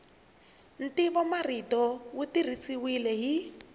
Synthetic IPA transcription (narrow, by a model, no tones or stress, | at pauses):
n̩tiβɔmaritɔwutir̤isiwilɛɦi